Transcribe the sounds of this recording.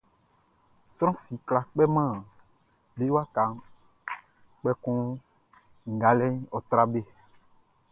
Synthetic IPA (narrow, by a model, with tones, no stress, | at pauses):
sɾ̃ɔ̃˦fi˨kla˨k͡pɛ˦mã˦˨ | be˦wa˦ka˨ | k͡pɛ˦kɔ̃˦ | ŋ̩˨ɡa˨lɛ˦ɲ˦ɔ˨t̪ɾa˦be˦